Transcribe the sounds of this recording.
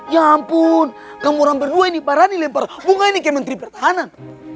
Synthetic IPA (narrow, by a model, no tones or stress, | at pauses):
jampun | kamɔɾaŋbɛrduainibaɾanilɛmpaɾabuŋainikɛmɛnt̪ɾipɛrt̪aɦanan